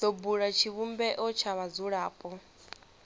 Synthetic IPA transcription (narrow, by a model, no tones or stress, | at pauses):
dobuɺat͡ʃʰiβumbɛʔɔt͡ʃʰaβad͡zuɺaːpʼɔ